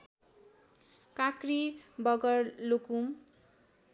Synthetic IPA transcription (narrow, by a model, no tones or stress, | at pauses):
kakribʌɡʌɾlokum